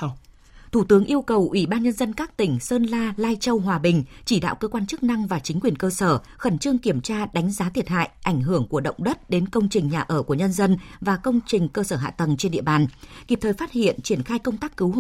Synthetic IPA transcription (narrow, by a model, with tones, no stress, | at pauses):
t̪ʰu˧˩t̪ɨ˨˦əŋʔi˧əwkə˨˩wʔwi˧˩ɓaː˧nɲə˧nzə˧nkaː˦˥k̚t̪ï˧˩ŋ̟səː˧nlaː˧laː˧jt͡ɕə˧wɦwaː˨˩ɓï˨˩ŋ̟t͡ɕi˧˩ɗa̰ː˧˨wkəː˧kwaː˧nt͡ɕɨ˦˥k̚na˧ŋvaː˨˩t͡ɕï˨˦ŋ̟kwi˨˩ənkəː˧səː˧˩ | xə˧˩nt͡ɕɨ˧əŋki˧˩əmt͡ɕaː˧ɗa˨˦ŋ̟zaː˨˦t̪ʰi˨˩ət̚ha̰ː˧˨jʔa˧˩jŋ̟ɦɨ˧˩əŋku˧˩əɗə̰˧˨wŋ͡mɗə˦˥t̚ɗe˨˦nkə˧wŋ͡mt͡ɕï˨˩ŋ̟ɲaː˨˩ʔəː˧˩ku˧˩əɲə˧nzə˧nvaː˨˩kə˧wŋ͡mt͡ɕï˨˩ŋ̟kəː˧səː˧˩ɦa̰ː˧˨t̪ə˨˩ŋt͡ɕe˧nɗḭ˧˨əɓaː˨˩nki˨˩p̚t̪ʰːjfaː˦˥t̚hḭ˧˨ənt͡ɕi˧˩ənxaː˧jkə˧wŋ͡mt̪aː˦˥kːɨ˨˦w